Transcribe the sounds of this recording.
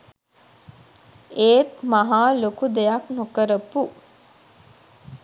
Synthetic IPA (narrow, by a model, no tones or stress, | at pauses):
eːt̪maɦaːlokud̪ejaknukəɾəpu